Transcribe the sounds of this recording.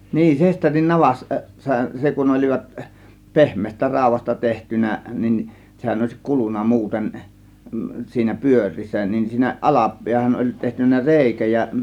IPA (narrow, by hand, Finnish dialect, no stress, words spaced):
niːn sesterin nɑʋɑs sɑ se kun olʲiʋɑt pehmˑeːstæ rɑˑo̝ʋˑɑstɑ tehtynæ nin sehæn oˑe̝si kulunˑɑ muːten siːnæ pyør̆ʲriːsːæ nin siːnæ ʔɑlɑ piæhæn olʲ tehtynˑæ reˑikæ jɑ